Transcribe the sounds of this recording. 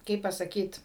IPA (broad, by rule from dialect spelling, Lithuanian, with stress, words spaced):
ˈkɐɪp pɐsɐˈkʲiːt